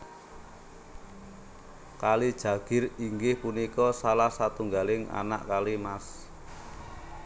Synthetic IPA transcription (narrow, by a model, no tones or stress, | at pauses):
kalid̥ʒ̥a̤ɡ̥ɪ̤riŋɡɪhpunikɔsalahsat̪uŋɡalɪŋa̰na̰ʔkalimas